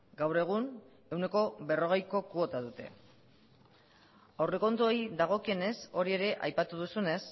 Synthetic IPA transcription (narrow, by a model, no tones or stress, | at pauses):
ɡawɾe̞ɣ̞un | e̞wne̞ko̞βe̞ro̞ɣejko̞kuo̞t̪að̞ut̪e̞̰ | awreko̞nt̪uojiðaɣ̞o̞kie̞ne̞so̞ɾie̞ɾe̞ʔajpat̪uðusune̞s